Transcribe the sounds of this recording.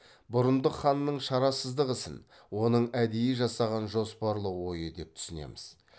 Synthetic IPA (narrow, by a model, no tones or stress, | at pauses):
bʊɾənd̪əχɑnːəɴʃɑɾɑsəzd̪əʁəsɪ̰n | wo̞nəɴæd̪ejɪʒɑsɑʁɑnʒo̞spɑɾlˠəwo̞jəd̪e̞p̚t̪ʰʏ̥sɪne̞̰mɪz̥